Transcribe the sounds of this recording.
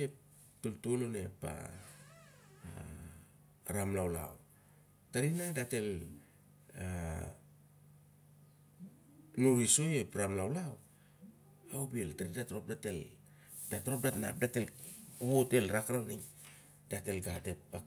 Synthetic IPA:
ep̚ | tultolone̞pa̰ | ɾamlawla̰w | taɾinadate̞l | a | nuɾiso̞jepɾamlawlaw | awbieltaɾidatɾo̞p̚date̞l | d̥atɾop̚datna̰p̚datelβote̞lɾakɾaniŋ | d̥ate̞lɡate̞p̚a

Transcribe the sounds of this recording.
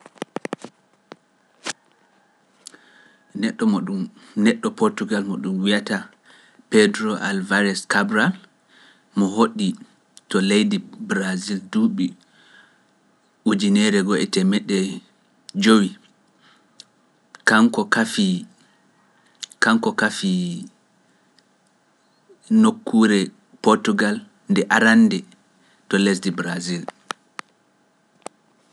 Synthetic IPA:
nɛɗːɔmɔɗumnɛɗːɔpoɾtuɡalmɔɗumwijata | pɛdɾɔʔa̰lvaɾɛskabɾal | mɔhoɗi | tɔlejdibɾazilduɓi | ʔud͡ʒinɛɾɛɡɔɛ̰tɛmɛɗːɛ | d͡ʒowi | kaŋkɔkafi | kaŋkɔkafi | nokʰːuːɾɛ | poɾtuɡal | ndɛʔaɾanːdɛ | tɔles̬dibɾazil

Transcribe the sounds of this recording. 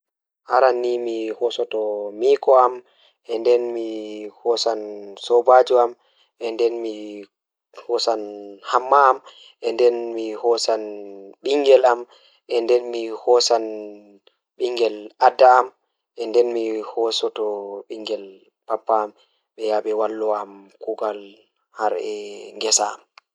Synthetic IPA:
haɾanːimihɔsɔtɔmikɔam | ʔɛndɛnmihɔsansɔbad͡ʒuam | ʔɛndɛnmi | hɔsanhamːaːm | ʔɛndɛnmihɔsanɓiŋɡɛlam | ʔɛndɛnmihɔsan | ɓiŋɡɛlʔadːaːm | ʔɛndɛnmihɔsɔtɔɓiŋɡɛl | papːaːm | ɓɛjaɓɛwalːɔamkuɡal | haɾɛŋɡɛsaa̰m

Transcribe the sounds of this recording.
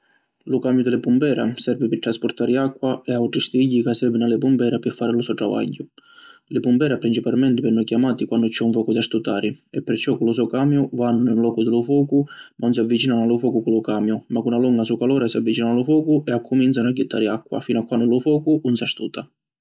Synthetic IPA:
lʊkamjʊd̪ɪlɪpumbɛːɾa̰sɛɾvɪpɪt̪ɾaspʊɾt̪aːɾɪakːwaɛawʈɾist̪iiɟːikasɛvɪnalɪpumbɛːɾapɪfːaːɾɪlʊsɔʈ̪ɾava̰ɟːʊlɪpumbɛːɾapɾint͡ʃipalmɛnt̪ɪpɪrnujkjamaːt̪ikwanːdʊt͡ʃːɛuɱfɔːkud̪iast̪ut̪aːɾɪɛpːɪrt͡ʃːɔkːulʊs̬ɔkaːmjʊvanːʊinlɔːkʊd̪ɪlʊfɔːkʊmaʊns̬iavːit͡ʃiːnanalʊfɔːkukulʊkaːmjʊmakːunaluŋɡasukalɔːɾasiavːit͡ʃiːnanalʊfɔːkʊʔɛakʰːʊmint̪sanaɟːɪt̪ʰːa̰ːɾɪakːwa̰fiːnakːwanːdʊlʊfɔːkuunsiast̪uːt̪a

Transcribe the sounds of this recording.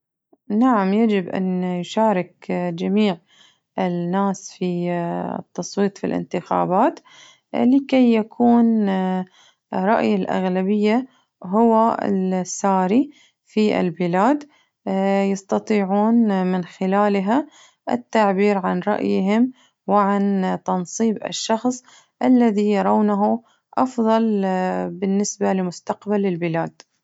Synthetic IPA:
naʕamjad͡ʒɪbʔa̰njʃaːɾɪkd͡ʒamiːʕ | ɪnːaːsfḭ | t̪ːɑsˤwiːt̪ˤfḭlʔɪ̰nt̪ɪxa̰ːbaːt̪ | lɪkejːakʰuːn | ɾˤɑ̰ʔjalʔa̰ɣlabɪjːa | ɦʊwaɪ̰lsːaːɾi | fiʔɪ̰lbɪlaːd̪ | jɑst̪ɑt̪ˤiːʕuːnmɪnxɪlaːlɦa | ʔɪ̰t̪ːaʕbiːɾʕanɾˤɑ̰ʔjɦɪm | wɪʕant̪ɑnsˤiːbɪ̰ʃːɑxsˤ | ʔalːaðijɑɾˤɑwnaɦu | ʔɑfðˤɑlbɪnːɪsbalɪmʊst̪ɑqbalɪlbɪlaːd̪̚

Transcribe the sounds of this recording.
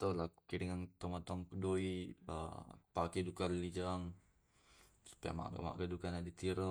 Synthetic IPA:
t̪olakkiɾiŋaŋt̪omat̪oaŋkudoiə̰pakidukaɾlid͡ʒaŋ | spɛa̰ma̰ɡa̰ma̰ɡadukanadit̪iɾə

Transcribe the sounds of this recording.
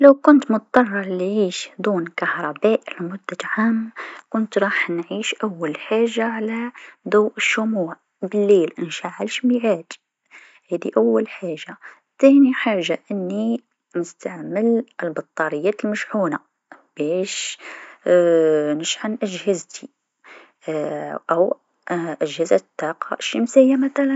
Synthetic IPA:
lawkʊnt̪mʊt̪t̪ˤːɑrˤːɑˤlːiʕiːʃd̪ˤuːnkahɾˤɑbæːʔlmʊd̪ːaʕaːmkʊnt̪ɾˤɑːħnʕiːʃʔawːalħaːʒːaʕalad̪ˤawʔɪʃːʊmuːʕ | bɪlːeːlʔɪnʃaʕalʃmiʕaːd̪ | hæːd̪ḭʔawːalħaːʒːa | t̪ːæniħaʒːaʔənːi | nəst̪aʕməlʔəlbɑt̪ˤːɑɾəjːæːt̪əlməʃħuːna | b̥æʃ | nəʃʕanʔæʒhɪzt̪i | ʔæw | ʔæʒhɪzad̪ːɑqɑ̰ʔʃːəmsəjːamæt̪ælæn

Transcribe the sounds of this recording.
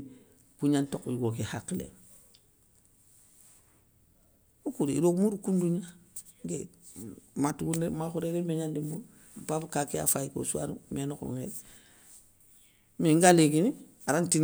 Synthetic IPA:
kuɲantokiɡokehakːilḛŋ | ukuɾeiɾokmuɾukunduɲa | ŋɡe | matuɡunemaxuɾeɾemeɲandimuɾ | pabkakea̰fajiko̰sua̰ɾumenoko̰ŋeɾ | miŋɡaleɡini | aɾantin

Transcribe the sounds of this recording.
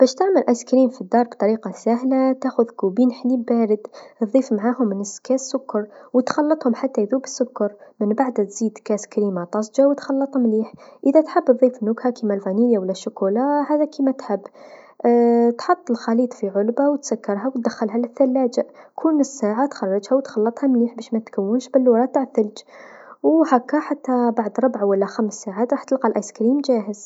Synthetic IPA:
b̥æʃt̪aʕməlʔæskɾiːmfid̪ːɑːɾˤbt̪ˤɑɾiːqɑsæhlat̪axʊðkubinħlibæːɾəd̪ðˤiːfmʕaɦʊmːənəskæsːʊkːɑɾˤwət̪xɑlːɑt̪ˤhʊmħat̪ːæʔðubəsːʊkːɑɾˤmənbaʕd̪æt̪z̥iːd̪kæskɾiːmat̪ˤɑsˤd͡ʒawt̪xɑlːɑt̪ˤhʊmliːħʔəðæt̪ħəbːt̪ðˤiːfnʊɡhakimælfæniljawəlːæʃːʊkulɑhaːðækiːmat̪ħɪbː | t̪ħɑt̪ˤːəlxɑliːt̪ˤfiʕʊlbawt̪sakːɑɾˤɦawt̪̚d̪axːalɦalɪθːalːaːd͡ʒaʔkʰuːnɪsːaːʕat̪xɑrˤːɑd͡ʒhawt̪xɑlːɑt̪ˤhamliːħbæːʃmæt̪kawːʊnʃbɪlːwɑɾˤɑt̪aʕθɪld͡ʒwhakːaħat̪ːabaʕd̪ɾˤʊbʕawalːaxamsːaʕaːt̪ɾˤɑːħt̪əlqɑlʔɑjskɾiːmd͡ʒaːhəz

